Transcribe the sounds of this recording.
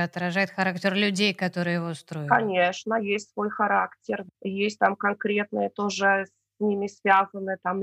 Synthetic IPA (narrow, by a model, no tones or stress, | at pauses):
ɐt̪ɾɐʐajɪt̪xɐɾaktʲɪrlʲʉdʲejkɐt̪o̞ɾɨjəjɪvost̪ɾo̞jɪkɐnʲeʂnəjesʲtʲsvo̞jxɐɾaktʲɪrjesʲt̚ʲt̪amkɐnkɾʲe̞t̪nɨjət̪o̞ʐɨsʲ | nʲimʲɪsvʲazənːɨt̪am